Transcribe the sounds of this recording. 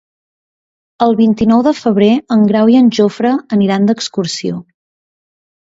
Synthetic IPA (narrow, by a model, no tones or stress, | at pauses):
əlˠβint̪inɔwðəfəβ̞ɾeəŋɡɾawiənʲʒofɾəːniɾand̪əkskursio